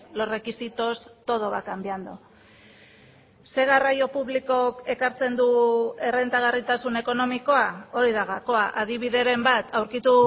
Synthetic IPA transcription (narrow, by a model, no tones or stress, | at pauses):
lo̞re̞kisit̪o̞st̪o̞ð̞o̞βakambiand̪o | se̞ɣ̞arajo̞puβliko̞ke̞kaɾt͡se̞nd̪ue̞re̞nt̪aɣ̞arit̪asune̞ko̞no̞miko̞ao̞ɾiðaɣako̞aʔaðiβiðe̞ɾe̞mbat̪ʰawɾkit̪u